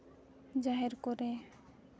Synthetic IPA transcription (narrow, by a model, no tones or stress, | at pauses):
d͡ʒaɦeɾkoɾe